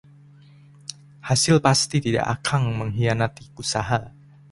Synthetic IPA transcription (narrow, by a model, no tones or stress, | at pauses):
hasɪlpast̪it̪ida̰ʔakʰaŋməŋɦianat̪iusaɦa